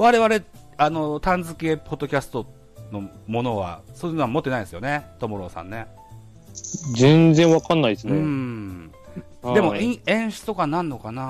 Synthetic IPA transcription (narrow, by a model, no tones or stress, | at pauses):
βaɾe̞βaɾe̞ | ano̞t̪ãnd͡zɨke̞po̞d̪ːo̞kʲasɨ̥t̪o̞ | no̞ | mo̞no̞βa̰so̞ːjɯ̟noamo̞t̪ːeaid̪sɨjo̞ne̞t̪o̞moɾo̞ːsã̰nːe | zẽnzẽɰ̃βakãnːaisɨneɯ̃ | d̪e̞mo̞ĩẽ̞ɰ̃ɕɨ̥t͡sɨ̥t̪okanãnːo̞kana